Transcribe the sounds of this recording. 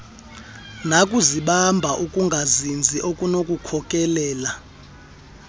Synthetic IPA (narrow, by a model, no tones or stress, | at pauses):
nakʼuziɓambʱaʔukʼuŋɡʱazind͡zʱiʔokʼunokʼukʰɔkʼɛlɛːla